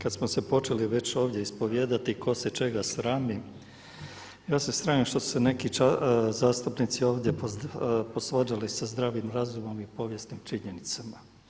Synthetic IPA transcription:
kad̪smosepo̞t͡ʃe̞liʋe̞t͡ɕo̞ːʋd̪jeispo̞ʋje̞ːd̪at̪iko̞se̞t͡ʃe̞ɡasɾaːmi | jaːse̞sɾaːmimʃt̪o̞su̥sene̞kit͡ʃazaːst̪upnit̪sio̞ːʋd̪je̞poposʋad͡ʒalisazd̪ɾaːʋimɾazumo̞mipo̞ʋje̞snimt͡ʃiɲenit̪sama

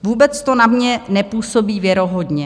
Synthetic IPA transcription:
vuːbɛt͡st̪o̞namɲɛnɛpuːso̞biːvjɛɾo̞ɦodɲɛ

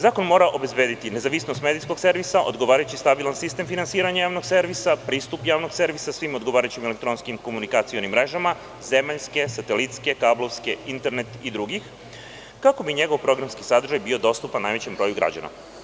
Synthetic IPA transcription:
zaːko̞nmo̞ːɾaʔo̞be̞zbe̞d̪it̪ine̞zaʋisnost̪med̪isko̞ɡse̞ɾʋisaʔo̰d̪ɡo̞ʋaːɾajut͡ɕist̪abilˠansist̪e̞mfinansiːɾaɲajaːʋno̞ɡse̞ɾʋisapɾiːst̪upjaːʋno̞ɡse̞ɾʋisasʋimod̪ɡoʋaːɾajut͡ɕimelekt̪ɾo̞nskimko̞munikat̪sio̞nimːɾe̞ʒama | ze̞maʎske̞sat̪elit̪ske̞kaːblo̞ʋske̞int̪e̞ɾne̞t̪id̪ɾuɡix | kako̞biɲe̞ɡo̞ʋpɾo̞ɡɾamskisad̪ɾ̩ʒajbio̞d̪o̞st̪upanːaːjʋe̞t͡ɕembɾo̞ːjuɡɾa̰d͡ʑa̰na̰

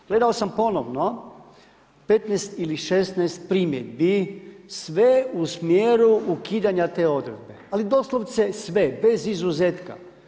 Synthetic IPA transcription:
ɡ̥le̞d̪aosampo̞noʋno | pet̪nɛjst̪iliʃest̪nɛjst̪̚pɾimjed̪̚bisʋeusmjeɾuukiːd̪aɲat̪eːo̞d̪ɾed̪̚bealid̪oslˠoʋt̪sesʋebe̞zizuzet̪ka̰

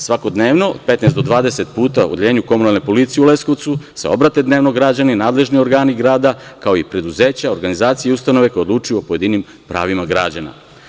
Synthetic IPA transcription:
sʋako̞d̪neːʋno̞od̪̥̚pe̞t̪nesd̪o̞d̪ʋaːd̪ese̞t̪puːt̪aṵd̪eʎeːɲuko̞munalne̞po̞lit̪sijeule̞sko̞ʋt̪suse̞̰o̞bɾat̪e̞d̪ne̞ːʋno̞ɡɾad͡ʑaninaːd̪le̞ʒnio̞ɾɡaːniɡɾaːd̪akao̞ipɾe̞d̪uzeːt͡ɕao̞ɾɡanizaːt̪sijeiust̪ano̞ʋe̞kojd̪luːt͡ʃujuopo̞je̞d̪inim | pɾa̰ːʋimaɡɾa̰d͡ʑana̰

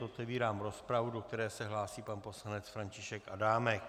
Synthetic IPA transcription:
ot̪ɛviːɾaːmɾo̞spɾavudo̞k̚t̪ɛɾɛːsɛɦlaːsiːpanpo̞slanɛt͡sfɾaɲcɪʃɛkʔadaːmɛk

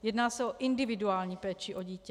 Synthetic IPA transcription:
jɛdnaːsɛʔoʔɪndɪvɪduaːlɲiːpɛːt͡ʃɪʔo̞ɟiːcɛ

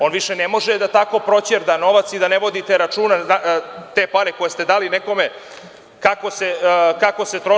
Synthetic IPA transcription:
o̞ːnʋiʃenemo̞ʒed̪at̪ako̞pɾo̞t͡ɕeɾd̪ano̞ʋat̪sid̪aneʋo̞d̪it̪eɾat͡ʃuːnaat̪e̞ːpaneko̞jest̪e̞d̪aːlineko̞me̞ | kako̞sekako̞se̞t̪ɾo̞

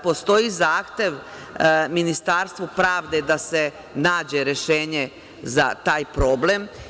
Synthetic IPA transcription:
po̞st̪o̞jizaːxt̪e̞ʋ | minist̪aːɾst̪ʋupɾaːʋd̪e̞d̪ase̞ | naːd͡ʑe̞ɾeʃeːɲe̞ | za̰t̪aːjpɾo̞ble̞m

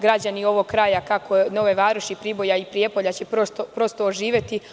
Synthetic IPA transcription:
ɡɾad͡ʑanio̞ʋoɡ̚kɾaːjakakono̞ʋeʋaːɾuʃipɾibo̞jaipɾije̞po̞ʎat͡ɕe̞pɾost̪opɾo̞st̪oːʒiːʋʲje̞t̪i

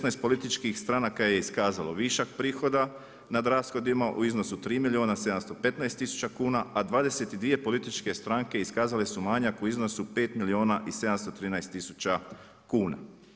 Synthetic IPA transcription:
esnajst̪po̞lit̪it͡ʃkixst̪ɾanakaje̞iskaːzalo̞̰ʋiʃakpɾiːxo̞d̪a | nad̪ɾaːsxo̞d̪imaʔṵizno̞sut̪ɾiːmilioːnase̞d̪amst̪o̞pe̞t̪najst̪ːisu̥t͡ɕakuːnaad̪ʋaːd̪e̞se̞t̪id̪ʋije̞po̞lit̪it͡ʃke̞st̪ɾaŋke̞iskaːzalesumaɲakuizno̞supe̞ːt̪milio̞ːnaʔise̞d̪amst̪o̞t̪ɾiːnajst̪ːisut͡ɕa | kuːna̰

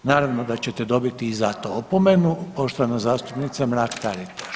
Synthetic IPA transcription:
naːɾaʋnod̪at͡ɕe̞t̪ed̪o̞bit̪iːzat̪oopomenupo̞ʃt̪oanazaːst̪upnit̪samɾaːkt̪aɾit̪ḁ

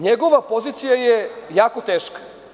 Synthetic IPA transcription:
ɲeɡo̞ʋapo̞ziːt̪sijajejaːko̞t̪eːʃkḁ

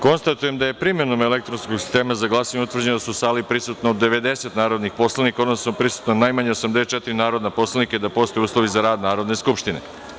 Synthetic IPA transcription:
ko̞nst̪at̪uje̞md̪aje̞pɾimjenomelekt̪ɾonskoɡsi̥st̪e̞ːmazaɡlˠaːsaɲut̪ʋɾr̩d͡ʑenod̪asusaːlipɾisut̪nood̪ːeʋe̞d̪e̞se̞t̪naːɾod̪nixpo̞slˠanikao̞d̪nosnopɾisu̥t̪nonajmaɲeosamd̪eset̪̚t͡ʃet̪iɾinaːɾo̞d̪napo̞slˠanikad̪apo̞st̪o̞juːslˠoʋizaɾaːd̪naːɾo̞d̪ne̞skupʃt̪inḛ

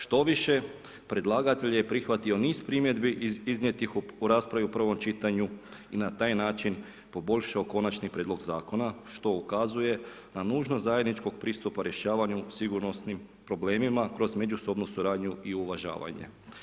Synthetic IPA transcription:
ʃt̪o̞ʋiʃe̞ | pɾe̞d̪lˠaːɡat̪e̞ʎjepɾixʋat̪io̞niːspɾimjed̪biizɲe̞t̪ixuɾaːspɾaʋiupr̩ʋo̞mt͡ʃit̪aɲuinat̪aːjnaːt͡ʃin | po̞bo̞ʎʲʃaoko̞nat͡ʃnipɾʲeːd̪lo̞ɡzaːko̞naʃt̪o̞ukazuje̞ | nanuːʒnozaje̞d̪nit͡ʃko̞ɡ̚pɾiːst̪upaɾje̞ʃaːʋaɲusiɡuɾnosnim | pɾo̞ble̞ːmimakɾo̞zme̞d͡ʒuso̞bnusuɾaːd̪ɲuiuʋaʒa̰ːʋa̰ɲḛ

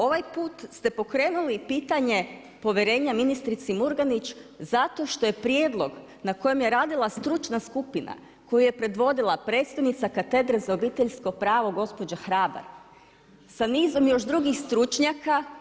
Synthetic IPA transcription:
o̞ʋajpuːt̪st̪e̞po̞kɾe̞ːnulipiːt̪aɲe̞ | po̞ʋʲje̞ɾe̞ːɲaminist̪ɾit̪simuɾɡanit͡ʃzat̪o̞ʃt̪o̞je̞pɾije̞ːd̪lˠo̞ɡ | nako̞je̞mje̞ɾaːd̪ilˠast̪ɾut͡ʃnaskupina̰ | ko̞juje̞pɾe̞d̪ʋo̞d̪ilˠapɾe̞ːt̪st̪aʋnit̪sakat̪e̞d̪ɾezaobiːt̪eʎsko̞pɾaːʋo̞ɡo̞spo̞d͡ʒaxɾaːba̰ɾ | saniːzo̞mjo̞ʃd̪ɾuɡixst̪ɾut͡ʃɲaka

